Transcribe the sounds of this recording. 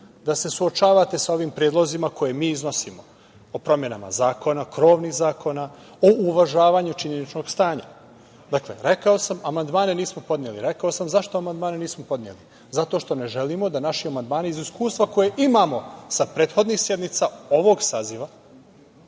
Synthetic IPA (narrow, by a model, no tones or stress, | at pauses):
d̪ase̞suot͡ʃaːʋat̪e̞sao̞ʋimpɾjed̪lˠo̞zimako̞jemiːizno̞simo | opɾo̞mje̞nama̰zaːko̞nakɾo̞ːʋnixzaːko̞na | oʔuʋaʒaːʋaɲut͡ʃiɲenit͡ʃno̞ɡst̪aːɲa̰ | d̪akle̞̰ɾe̞kao̞samamand̪maːneniːsmopod̪njeliɾe̞kaosamzaʃt̪o̞amand̪maːneniːsmopo̞d̪nʲiḛli | zat̪o̞ʃt̪o̞ne̞ʒe̞limo̞d̪anaʃiamand̪maːniiziskuːst̪ʋako̞jeʔimamo̞sapɾeːt̪xo̞d̪nixsje̞d̪nit̪sao̞ʋo̞ɡsaːziʋa